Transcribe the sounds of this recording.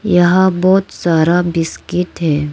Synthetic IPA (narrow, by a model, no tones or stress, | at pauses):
jɐɦãbɔːt̪saːɾabɪskɪʈɦɛː